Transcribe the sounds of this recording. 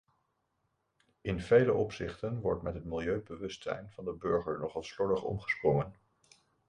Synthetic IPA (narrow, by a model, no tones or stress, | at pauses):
ɪnv̥ejləʔɔpsɪχtənʋɔɹtmɛtɦətmɪlˠjøɥbəʋɵstsɛ̰jnv̥ɑndəbɵɹχəɹnɔχɑlˠslɔləχɔ̰mχə̥sprɔŋən